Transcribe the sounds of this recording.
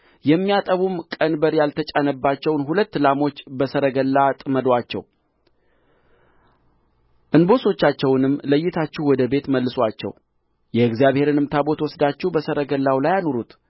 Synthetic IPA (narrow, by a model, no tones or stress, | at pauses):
jɛmːijat̪ʼəβumkʼənbəɾjalt̪ʰət͡ʃʼanəbːat͡ʃːɛwnɦulət̪ːlamo̞t͡ʃːbəsəɾəɡəlːat̪ʼməd̪wat͡ʃːɛ̰w | ʔɨnbo̞so̞t͡ʃːat͡ʃːɛwnɨmːləjːɪt̪ʰat͡ʃːɛhwɔd̪əbe̞t̪məlːɨswat͡ʃːɛ̰w | jɛɪɡzijaβhe̞ɾɨnɨmt̪ʰabo̞t̪wɔsd̪at͡ʃːɛbəsəɾəɡəlːawlajano̞ɾut̪